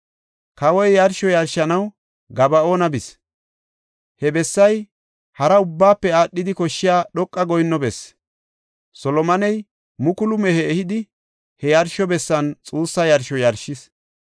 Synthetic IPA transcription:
kɐwɔjjɐɾʃɔjɐɾʃɐnɐw | ɡɐbɐoːnɐbɪs | hɛbɛsːɐj | hɐɾɐʊbːaːpːɛaːɗːɪd̪ɪkɔʃːɪjaːɗɔkʼːɐɡɔjnːɔbɛs | sɔlɔmɐnɛj | mʊkʊlʊmɛhɛːhɪd̪ɪ | hɛjɐɾʃɔbɛsːɐnt͡sʼuːsːɐjɐɾʃɔjɐɾʃɪs

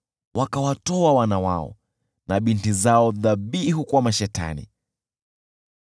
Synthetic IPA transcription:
wʔakawatɔawanawaɔ̰ | naɓintizaɔðaɓihukwamaʃɛta̰nḭ

